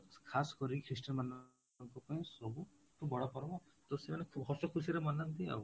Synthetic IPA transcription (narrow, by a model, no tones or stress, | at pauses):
kʰasɔ̥kɔɾikʰɾisʈɔnman | ŋkɔpaĩsɔbu | kʰubɔɽɔpɔɾɔmɔt̪ɔsemanekʰɦɔsɔkʰusiɾemɔnːant̪ia̰w